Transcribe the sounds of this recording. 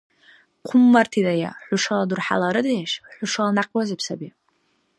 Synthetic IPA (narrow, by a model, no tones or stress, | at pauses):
qʷʰʊmːartʰidaja̰ħʷʊʂaladurħa̰laɾɨdajaʃħʷʊʂalnaqʲʼwazɨpʰsabi